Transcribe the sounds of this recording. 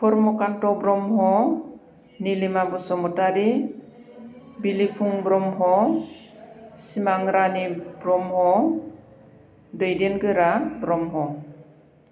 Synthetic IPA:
pʰɔɾmɔkantɔbɾɔmɦɔ | nilimabɔsɔmɔtaɾi | bilipʰuŋbɾɔmɦɔ | simaŋɾanibɾɔmhɔ | dɯjdenɡɯɾabɾɔmɦɔ

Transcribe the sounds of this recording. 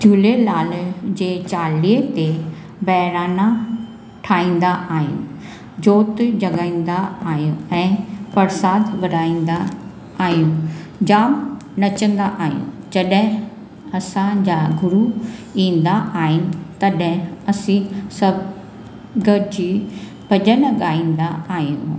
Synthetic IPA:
t̪ʰjuːlelaːld͡ʑeːt͡ɕaːliət̪e | bɐɦɪɾaːna | ʈʰaːĩːnd̪aʔaːɦɪ̰nɪ | d͡ʑoːt̪d͡ʑɐɠaːĩn̆d̪aaːɦijũɛ̃ːpɐɾsaːd̪ʋɐɾaːĩːnd̪a | aːɦijũ | d͡ʑaːm | nɐt͡ɕə̃nd̪aʔaːɦijṵ̃ | d͡ʑɐɗɦɪ̃ | ɐsãd͡ʑaɡʱʊɾuĩːnd̪aʔaːɦɪnɪ̆t̪ɐɗɪ̃ɐsĩsɐb | ɡəɾd͡ʑiː | bʱɐʄənɡaːĩːnd̪aaːɦijũ

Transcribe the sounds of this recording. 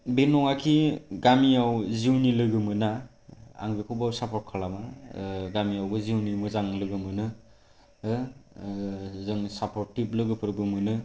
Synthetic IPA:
benɔŋakʰiɡamiawziwnilɯɡɯmɯna | a̰ŋbikʰubawsapʰɔɾt̚kʰalamaɡamijawɡɯziwnimɯzaŋlɯɡɯmɯnɯ | zɯŋsapɔɾtip̚lɯɡɯpʰɯɾbɯmɯnɯ

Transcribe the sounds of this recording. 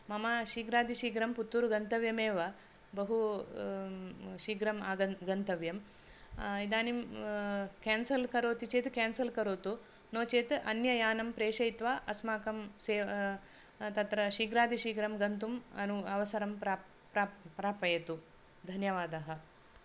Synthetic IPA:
mɐmaːʃiːɡɾaːd̪iʃiːɡɾɐmput̪ːuɾuɡɐnt̪ɐʋjɐmeːʋɐ | bɐɦu | ʃiːɡɾɐmaːɡɐɡɐnt̪ɐʋjɐm | id̪aːnim | kaːnsɐlkɐɾoːt̪it͡ʃeːt̪kɛːnsɐlkɐɾoːt̪u | noːt͡ʃeːt̪ʔɐnjɐjaːnɐmpɾeːʂɐjt̪ʋaːʔɐsmaːkɐmseː | t̪ɐt̪ɾɐʃiːɡɾaːd̪ʱiʃiːɡɾɐmɡɐnt̪umɐ̰nuɐʋɐsɐɾɐmpa | pɾapɾaːpɐjɐt̪u | d̪ʱɐnjɐʋaːd̪ɐɦɐ

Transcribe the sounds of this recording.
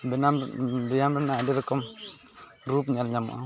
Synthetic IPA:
binambijamɾənadɪɾkɔm | ɾupɲalɲam̰ʔa̰

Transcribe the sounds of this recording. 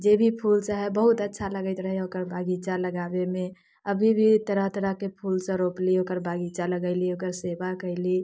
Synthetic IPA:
d͡ʒebʱipʰulsəɦɛbəɦut̪ətːʃʰaləɡəɪt̪ɾəɦɛokəɾbʱaɡit͡ʃaləɡabeme | əbʱibʱit̪əɾəɦt̪əɾəɦkepʰulsə̃ɾopliokəɾbʱaɡit͡ʃaləɡəɪliokəɾsebakəɪli

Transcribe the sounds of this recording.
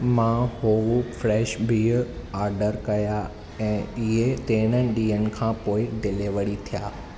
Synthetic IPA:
mãhoːʋufɾɛːʃbʱi | aːɾɖəɾkɐja | ɛ̃ːɪɦet̪eːɽ̃ənɪɗĩːɦənɪ̆kʰãːpoːɪd̪ɪleʋəɽ̃it̪ʰijaː

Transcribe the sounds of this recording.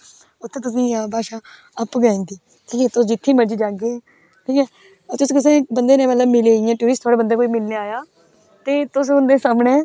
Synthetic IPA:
ʊt̪ʰːẽːt̪ʊs̬ĩːabaːʃaː | əpɡãːnd̪iː | ʈʰiːkɛːt̪ʊsd͡ʒɪt̪ʰːẽːməd͡ʒiːd͡ʒaːɡeː | ʈʰiːkɛː | t̪ʊsːkɪs̬ẽːbənd̪eːnẽːmət̪ləbmɪliiːãːʈuːɾɪsʈt̪ʰoːɽaːbənd̪aːkoːiːmɪlneːaːjaː | t̪eːt̪ʊs̬ɦʊ̃nd̪ẽːsaːməɳẽː

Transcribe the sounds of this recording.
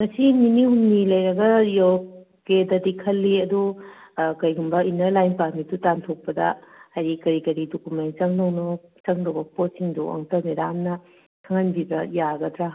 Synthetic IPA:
mɐsiminihunːilɐjɾɐɡɐjo | kedɐdikʰɐlːiɐdu | kɐjɡumbɐinɐɾlajnpaɾmitutantʰok̚pɐdɐ̰hajɾikɐɾikɐɾidokumen̚t͡ʃɐŋnɐwnot͡ʃɐŋdɐwbɐposiŋduɐ̰ŋtɐwnidamnɐ | kʰɐŋɐnbibɾɐjaɡɐdɾa

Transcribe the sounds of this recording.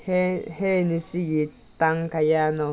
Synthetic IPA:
hehenĩsiji | t̪aŋkajanõ

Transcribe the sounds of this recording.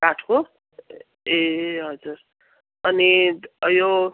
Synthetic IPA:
aʈʰo | eɦʌd͡zur | ʌniʌjo

